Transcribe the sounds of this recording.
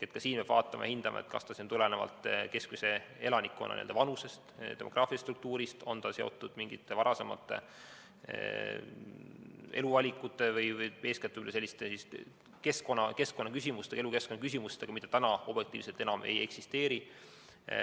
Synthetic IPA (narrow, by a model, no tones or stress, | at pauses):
et̪kɑsiːnmeb̥vɑ̰ːt̪ːˑɑmɑ̰jɑhind̪̥ɑmʔɑ̰et̪kɑ̰st̪ɑsint̪ulenevɑ̰lt̪ˑke̞skmuse̞e̞̰lɑnikːˑo̰nʔɑ̰nḭld̪ɑvɑnuse̞st̪t̪e̞mo̞̰ɡrʔɑːfiɑst̪ruk̚t̪uːɾist̪o̞nt̪ɑse̞o̞̰t̪ːˑud̪̥miŋɡ̥it̪ːevɑɾɑse̞mɑ̰t̪ːˑḛ | e̞luvɑlʲikːˑut̪ːˑe̞vɤjvɤjpe̞ːsket̪ːˑuylese̞lʲːist̪esist̪ | ke̞sko̞nːɑke̞sko̞nːɑkysʲimust̪eɑeluke̞skonːɑkys̬imust̪eɡ̥ɑmit̪ːɑ̥t̪ænɑo̞bjek̚t̪ḭːvset̪e̞nɑme̞̰je̞ksist̪e̞ːɾi